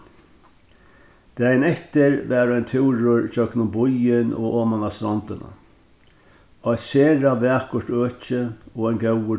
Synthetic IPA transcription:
d̪̥æːjɪnɛht̪ɪɾʋɛːɾajnt̪ʰɪwɾʊɾt͡ʃœknʊmbʊjɪnɔ̰ʔoːmanast̪ɾɔnt̪ɪna̰ | ajt̪seːɾaʋɛːkʊ̥ʈøːt͡ʃɪɔajnɡɛwə

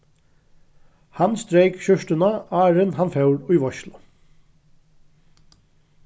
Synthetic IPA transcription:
hɑnst̪ɾeɪkçʏʃtənɑɑːɹənhɑnfœʊɹʉːʋɔçlʊ

